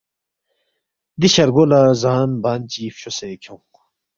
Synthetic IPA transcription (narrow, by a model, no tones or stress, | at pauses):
d̪iɕɐɾɡolazaːnbaːnt͡ɕiːfɕosekʰõ